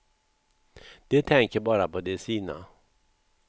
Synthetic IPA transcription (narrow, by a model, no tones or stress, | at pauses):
d̪̥ɛt̪ʰɛŋkəɾbɑːɾapʰɔd̪ɛsiːna̰